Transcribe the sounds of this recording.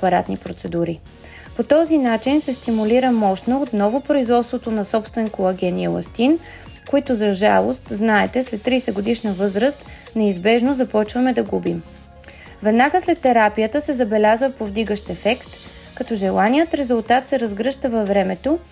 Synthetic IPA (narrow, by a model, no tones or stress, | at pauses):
pɐɾat̪nipɾot̪sɛd̪uɾi | pot̪ɔzinat͡ʃinsɛst̪imuliɾəmɔʃt̪noot̪nɔvopɾoizvɔt̪st̪vot̪onɐsɔpst̪vɛnkoɐɡʲɛniɛlˠɐ̰st̪in | koit̪ʊzɐʒa̰lˠo̰st̪znaɛt̪ɛslɛt̪ːɾisɛɡod̪iʃnəvɤzɾəst̪ | nɛizbɛʒnozɐpɔt͡ʃvɐmɛd̪ɐɡubim | vɛd̪naɡəslɛt̪ːɛɾapijət̪əsɛzɐbɛlʲazvɐpovd̪iɡəʃt̪ɛfɛkt̪ | kɐt̪ɔʒɛlˠanijət̪ɾɛzʊlˠt̪at̪sɛɾɐzɡɾɤʃt̪əvɐvɾɛmɛt̪o